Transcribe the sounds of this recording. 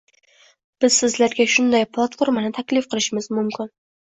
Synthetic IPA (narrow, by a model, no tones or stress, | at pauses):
b̥ɪz̥sɪzlaɾɡʲaʃʊnd̪ajpʰlˠat̪foɾmanɪt̪ʰakʲlɪfqʰɨlˠɪʃɪmɪzmʊmkʰʲɪn